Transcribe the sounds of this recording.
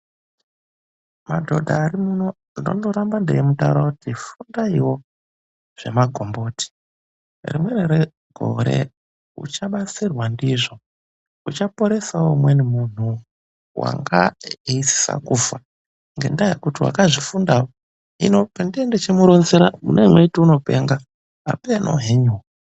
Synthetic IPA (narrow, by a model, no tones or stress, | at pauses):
madʱo̞dʱaːɾimuno | inondoɾambande̞̰jemutaṵɾakutifundaiwo̞ | ʐ̥e̞̰maɡʱo̞mbo̞ːti̥ | rḭmwe̞neɾe | ɡʱo̰ɾe̞̰ | ṵt͡ʃaɓat͡sirwandiʐo̞ | ut͡ʃapo̞ɾe̞sawomwenimun̤u | wa̰ŋɡa̰isi̥sa̰kufa | ŋɡe̞ndajekutiwa̰kaʐifundawo | ḭnopandiendet͡ʃemuɾo̞nzeɾamṵneimwetiuno̞pe̞̰ŋɡa | a̰penʔo̰ɦeɲuw